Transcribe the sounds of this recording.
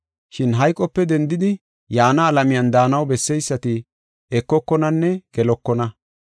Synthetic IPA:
ʃɪnɦɐjkʼɔpːɛd̪ɛnd̪ɪd̪ɪ | jaːnɐːlɐmɪjɐnd̪aːnɐwbɛsːɛjsːɐt̪ɪ | ɛkːɔkːɔnɐnːɛɡ̥ɛlɔkːɔnɐ

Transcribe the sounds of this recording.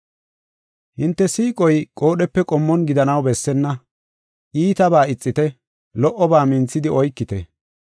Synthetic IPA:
hɪnt̪ːɛsiːkʼɔjkʼo̞ːɗɛpːɛkʼɔmːɔnɡɪd̪ɐnɐwbɛsːɛnːɐ | ʔiːt̪ɐbaːɪt͡sʼːɪt̪ɛ | lɔʔːɔbaːmɪnt͡sːɪd̪ɪɔjkːɪt̪ɛ̰

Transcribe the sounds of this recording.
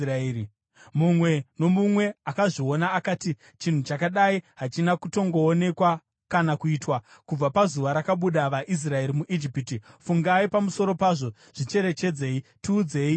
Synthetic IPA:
ai | mumwe̞no̞mumwe̞akaʐio̞naːkaːti | t͡ʃin̤ut͡ʃakaɗaiɦat͡ʃinakuto̞ŋɡo̞ːne̞kwa | kanakuiːtwakub͡vapazuʋaɾakaɓuɗaʋaʔis̬rae̞ɾimuʔid͡ʒipitifuŋɡaipamuso̞ɾo̞paʐo̞ | ʐ̥it͡ʃe̞ɾe̞t͡ʃe̞d͡ze̞ːitiːd͡ze̞ːi

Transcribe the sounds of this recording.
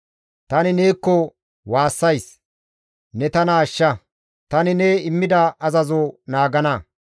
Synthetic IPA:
t̪ɐnɪne̞ːkːɔ | waːsːɐjs | nɛt̪ɐnɐːʃːɐ | t̪ɐnɪneɪmːɪd̪ɐʔɐzɐzonaːɡɐnɐ

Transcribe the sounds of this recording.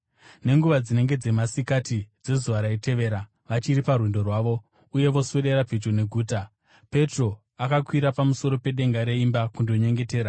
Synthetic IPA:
ne̞ŋɡuʋad͡zine̞ŋɡe̞d͡ze̞masikatid͡ze̞zuʋaɾaite̞ʋe̞ːɾa | ʋat͡ʃiɾiparwindo̞rwaːʋo̞ | uje̞ʋo̞sweɗe̞ɾapet͡ʃone̞ɡʱuːta | pe̞tro̞ | akakwiɾapamuso̞ɾo̞pe̞ɗe̞ŋɡaɾe̞imbakundo̞ɲe̞ŋɡe̞te̞ːɾa

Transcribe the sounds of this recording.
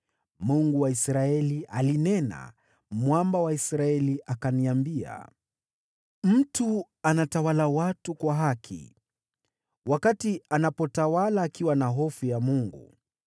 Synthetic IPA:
muŋɡuwaisɾaɛliʔalinɛna̰ | mwambawaisɾaɛliʔakaniambia̰ | m̩tu | anatawalawatukwaɦakʰḭ | wʔakatianapɔtawalaːkiwanaɦɔfujamuŋɡṵ

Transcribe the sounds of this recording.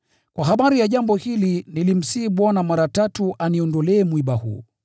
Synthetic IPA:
kwaɦaɓaɾijaʄambɔhilinilim̩siːɓwanamaɾatatuʔaniɔndɔlɛːmwiɓahṵː

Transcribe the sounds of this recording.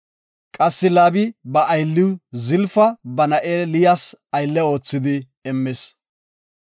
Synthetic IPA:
kʼɐsːɪlaːbɪbɐʔːjlːɪwzɪlfɐbɐnɐʔeːlɪjasɐjlːɛo̞ːt͡sːɪd̪ɪ | ɛmːɛs

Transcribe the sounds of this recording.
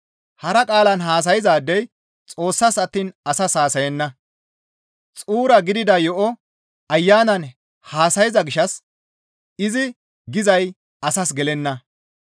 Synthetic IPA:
hɐɾɐkʼaːlɐnɦaːs̬ɐjɪzaːd̪ːɛj | t͡sʼo̞ːsːɐsɐt̪ːiːnɐsɐshaːsɐjɛnːɐ | t͡sʼuːɾɐɡɪd̪ɪd̪ɐjɔʔɔ | ɐjːaːnɐn | haːsɐjɪzɐɡɪʃːɐs | ɪzɪ | ɡɪzɐj | ɐsɐs̬ɡɛlɛnːɐ

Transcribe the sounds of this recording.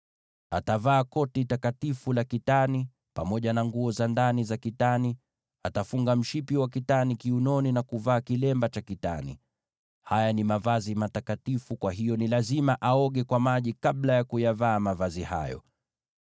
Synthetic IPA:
atavaːkɔtitakatifulakitani | pamɔʄanaŋɡuɔzandanizakitani | atafuŋɡam̩ʃipiwak̬itanikiunɔninakuvaːkilɛmbat͡ʃakita̰nḭ | hajanimavazimatakatifukwaɦijɔnilazimaʔaɔɠɛkwamaʄikaɓlajakujavaːmavaziha̰jɔ̰

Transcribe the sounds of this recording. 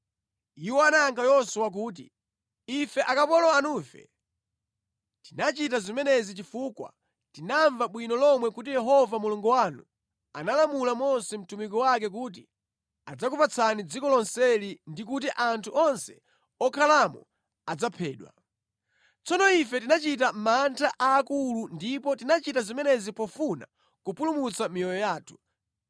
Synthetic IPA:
iwɔanaaŋɡajɔsuwak̬uːt̬ḭ | ifɛʔakapɔlɔanuːfɛ̰ | tinat͡ʃitazimɛnɛzit͡ʃifuːkwa̰ | tinaɱvaɓwinɔlɔmwɛkutijɛɦɔvamuluŋɡɔwanṵ | analamulamɔsɛm̩tumikɔwak̬ɛk̬uːt̬i | ad͡zakupat͡sʰanid͡zikɔlɔnsɛlindik̬ut̬iʔantʰuʔɔnsɛ̥̰ | ɔkʰalamɔ̰ | ad͡zapʰɛːɗwa̰ | t͡sɔnɔifɛtinat͡ʃitam̩mantʰaʔaːkulundipɔtinat͡ʃitazimɛnɛzipɔfuna̰ | kupulumut͡samijɔjɔjaːtʰu̥

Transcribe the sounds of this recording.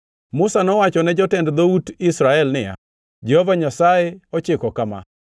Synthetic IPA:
mʊsanɔwat͡ʃɔnɛd͡ʒɔtɛndd̪outɪsɾaɛlnɪja̰ | d͡ʒɛhovaɲasaeɔt͡ʃɪkɔkama̰

